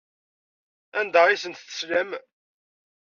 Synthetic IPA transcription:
ænd̪æʁisənt̪θə̥sləm

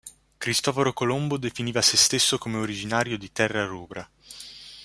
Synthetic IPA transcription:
kɾist̪ɔfɾokolombod̪efiniːvasest̪esːokomeoɾid͡ʒinaːɾjod̪it̪ɛrːaruːbɾa

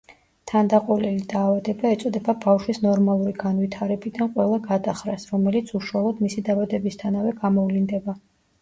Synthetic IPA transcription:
t̪ʰand̪aqʼɔlɛlid̪aːvad̪ɛbaɛt̪sʼɔd̪ɛbabafʃwisnɔɾmalˠuɾiɡanvit̪ʰaɾɛbid̪anqʼwɛlˠaɡad̪aχɾasɾɔmɛlit̪sʰuʃuwalˠɔd̪misid̪avad̪ɛbist̪ʰanavɛɡamɔvlind̪ɛba

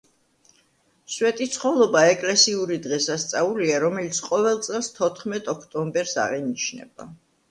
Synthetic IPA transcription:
swɛt̪ʼit̪sʰχɔlˠɔbaɛkʼlɛsiuɾid̪ʁɛsast̪sʼauliaɾɔmɛlit̪sʰqʼɔvɛlˠt̪sʼɛlˠst̪ʰɔt̪ʰχmɛt̪ʼɔkʰt̪ʼɔmbɛɾsa̰ʁɛnit͡ʃʰnɛ̰b̥a̰

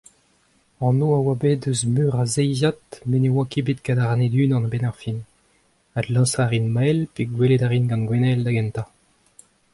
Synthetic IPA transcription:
ɑ̃noawabed̪øzmyːʁazɛjzat̪menewakebet̪kad̪aʁaned̪yːnɑ̃nbɛnaʁfin | adlɑ̃saʁinmɛlpeɡweled̪aʁinɡɑ̃nɡwɛnɛld̪aɡɛnt̪a

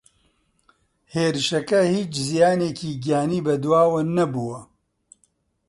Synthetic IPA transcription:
heːɾɨʃɐkɐhiːt͡ʃzijaːneːciːɡijaːniːbɐd̪waːwɐnɐbuːwɐ

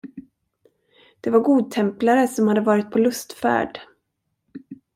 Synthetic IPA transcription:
d̪̥ɛvaɾɡuːd̪̚t̪ʰɛmplaɾəsɔmhad̪ːəvɑːɾɪt̪̚pʰɔlɵst̪fæ̰ːɖ

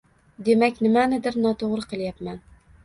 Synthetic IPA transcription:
d̪emɛkʲnɪmænɪd̪ɪɾnɒt̪ʰoʁɾɨqʰəlˠjæpmæn

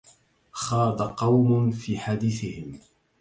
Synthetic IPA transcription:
xɑːd̪aqɑwmʊnfiːħad̪iːθɪhɪm

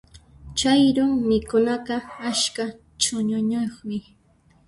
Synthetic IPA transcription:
t͡ʃajɾʊŋmɪkʊnɑqɑaʃka | t͡ʃʊɲʊɲoχmɪ

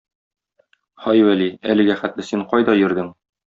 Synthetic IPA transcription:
χɒjwæliælɘ̆ɡæχæt̪lɘ̆siɴqɒjd̪ɒjɘ̆ɾd̪ɘŋ

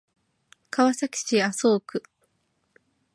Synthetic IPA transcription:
kaβasakʲi̥ɕiasoːkɯ̟

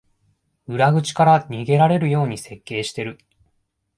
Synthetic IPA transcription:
ɯ̟ɾaɡɯ̟t͡ɕi̥kaɾaɲiɡe̞ɾaɾe̞ɾɯ̟jo̞ːɲ̟ise̞kːe̞ːɕi̥t̪e̞ɾɯ̟

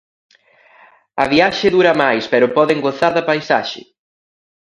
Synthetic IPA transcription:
ɐ̰βiaʃɪðuɾɐmajspɛɾʊpɔðeŋɡoθaɾðɐpajsa̰ʃɪ̰

